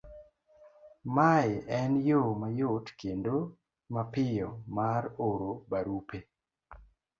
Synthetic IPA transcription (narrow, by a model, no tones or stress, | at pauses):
majɛnjomajotkendo | mapɪjɔmaɾoɾobaɾupe